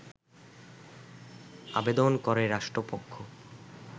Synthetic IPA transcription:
a̰bed̪onkɔɾeɾaʃʈɾopokʰːo

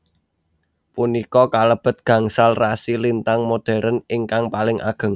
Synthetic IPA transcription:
punikɔkaləb̥ə̤t̪̚ɡ̥ä̤ŋsalrasilint̪aŋmod̥ɛ̤ɾənɪŋkaŋpalɪŋʔa̰ɡ̥ə̤ŋ

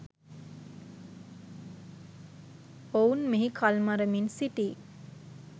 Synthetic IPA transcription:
ounmiɦikʰalmaɾəminsiʈiː

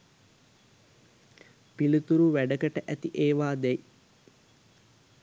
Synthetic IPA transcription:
pilut̪uɾuʋæɖəkəʈəʔæt̪iʔeːʋaːd̪ɛj

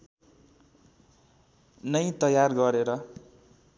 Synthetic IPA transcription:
nʌjt̪ʌjarɡʌɾeɾʌ

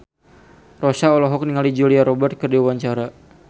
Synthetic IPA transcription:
rosaɔlɔɦɔk̚niŋalid͡ʒuliaɾɔbɛrt̪̚kərdiwawaɲt͡ʃaɾa

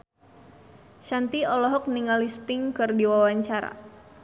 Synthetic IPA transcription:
ʃant̪iɔlɔɦɔk̚niŋalist̪ɪŋkɨrdiwawaɲt͡ʃaɾa̰

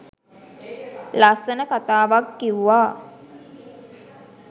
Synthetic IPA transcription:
lasənəkat̪aːʋakːiʋuʋaː

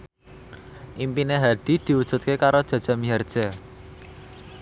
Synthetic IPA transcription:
ʔimpineɦaɖ̪̥i̤d̪̥i̤wud̥ʒ̥ṳt̪̚kekaɾod̥ʒ̥a̤d̥ʒ̥a̤miɦard̥ʒ̥a̤

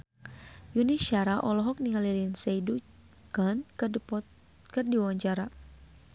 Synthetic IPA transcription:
juniʃaɾaʔɔlɔɦɔk̚niŋalilinsejdu | kan | kɨrdiwaɲt͡ʃaɾa

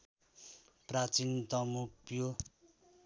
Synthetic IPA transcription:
prat͡sint̪ʌmupjo

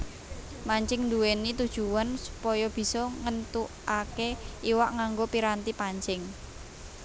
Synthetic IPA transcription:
maɲt͡ʃɪŋnd̪uwenit̪ud̥ʒ̥uwansu̥pɔjɔb̥i̤sɔŋənt̪u | akeiwaʔŋaŋɡopiɾant̪ipaɲt͡ʃɪŋ

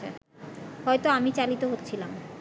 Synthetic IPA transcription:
a̰ | hɔet̪oamit͡ɕalit̪oɦotːt͡ɕʰilam

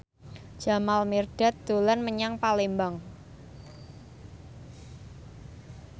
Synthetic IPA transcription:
d͡ʒ̥a̤malmerd̥at̪̚d̪̥olanməɲaŋpalembaŋ

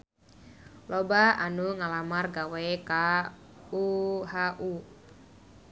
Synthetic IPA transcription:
lɔbaanuŋalamarɡaweka | uhaʔu

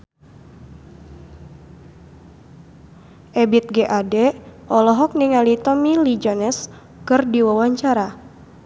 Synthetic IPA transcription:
ʔɛbit̪̚ɡeʔadɛʔɔlɔɦɔk̚niŋalit̪ɔmilid͡ʒɔnɛs | kɨrdiwawaɲt͡ʃaɾa

